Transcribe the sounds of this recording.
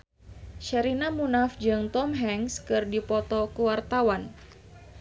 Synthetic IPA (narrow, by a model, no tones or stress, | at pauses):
ʃɛɾinamunafd͡ʒɨŋt̪ɔmɦɛŋskɨrdipɔt̪ɔkuwart̪awan